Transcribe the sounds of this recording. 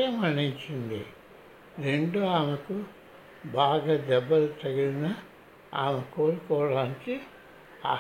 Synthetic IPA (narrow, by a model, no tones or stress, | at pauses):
ɐmɐɳːiɲt͡ʃind̪ḭ | ɾeɳɖuaːmɐku | baːɡaːd̪ɛbːɐlut̪ɐɡiɾina | a̰ːmekoːɽukɔːʋɐɽaːniki | a̰ː